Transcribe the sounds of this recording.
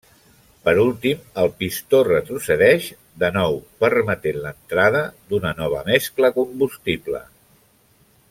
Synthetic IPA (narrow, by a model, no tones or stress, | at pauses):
pəɾulˠt̪iməlˠpist̪orət̪ɾusəðɛʃ | d̪ənɔwpəɾmət̪enlənt̪ɾaðəd̪unənɔβ̞ə̰mɛskləkumbust̪iblə̰